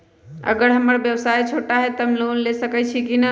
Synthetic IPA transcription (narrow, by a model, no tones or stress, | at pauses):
ə̰ɡəɾɦəməɾbjəʋsajt͡ʃʰoʈaɦɛt̪əmlonlesəkɛt͡ʃʰikinə